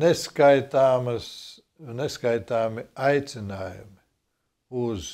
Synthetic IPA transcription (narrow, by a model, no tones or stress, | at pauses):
neskajt̪aːmɐs | neskajt̪aːmiajt̪sɪnaːjṵmi | uz̥